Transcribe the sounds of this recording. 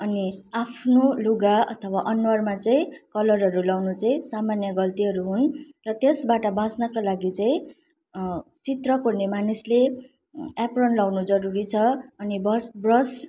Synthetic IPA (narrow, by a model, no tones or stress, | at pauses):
ʌniapʰnoluɡaʌ̰t̪ʰʌwaʔʌnwʌrmat͡saĩkʌlʌrɦʌɾulawnut͡sʌĩsamanjʌɡʌlt̪iɦʌɾuɦunrʌt̪esbaʈʌbãsnʌkalaɡit͡saĩ | t͡sit̪rʌkornemanisle | aprʌnlawnud͡zʌɾuɾit͡sʰʌʌnibʌsbrʌs